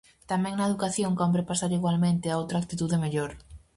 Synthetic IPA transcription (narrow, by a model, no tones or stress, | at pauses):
t̪amɛ̃ŋnɐeðukaθjoŋkampɾepasaɾiɣwalmẽnt̪ɪaowt̪ɾak̚t̪it̪uðemeʎoɾ